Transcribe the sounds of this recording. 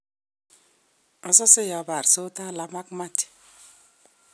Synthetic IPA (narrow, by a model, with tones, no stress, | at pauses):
ɔ˦sɔ˦sɪ˦jɔ˨ba˨ɾso˦ta˦˨la˦ma˦kma˦t